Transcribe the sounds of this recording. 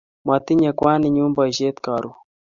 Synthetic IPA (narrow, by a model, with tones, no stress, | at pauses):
ma˨t̪i˦ɲa˨kwaː˦ni˨ɲu˦mba˨ʒe˦t̪ka˨ɾu